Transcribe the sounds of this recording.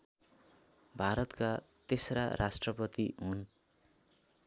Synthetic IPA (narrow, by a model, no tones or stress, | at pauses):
bʱaɾʌt̪ka | t̪esɾarʔasʈrʌpʌt̪iɦun